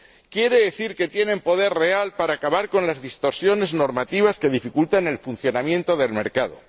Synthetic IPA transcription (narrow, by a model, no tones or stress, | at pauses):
kje̞ɾe̞ðeθiɾke̞t̪je̞nẽ̞mpo̞ðe̞rre̞alpaɾaːkaβaɾko̞nlazðist̪o̞ɾsjo̞ne̞zno̞ɾmat̪iβ̞aske̞ð̞ifikult̪ane̞lfunθjo̞namjẽ̞nt̪o̞ðe̞lme̞ɾkað̞o̞̰